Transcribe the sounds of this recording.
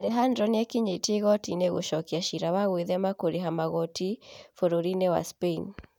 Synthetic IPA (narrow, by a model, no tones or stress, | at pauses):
ɾɛɦandɾɔniɛkiɲeteɣɔtineɣo̰ʃɔkiaʃiɾawaɣweðɛmakoɾiɦamaɣɔtifoɾoɾinewa̰spen